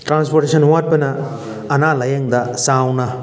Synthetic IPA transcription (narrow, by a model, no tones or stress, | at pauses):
ʈɾanspoɾʈesɐnuwat̚pɐnɐː | nalɐjɐŋd̪ɐsawnɐ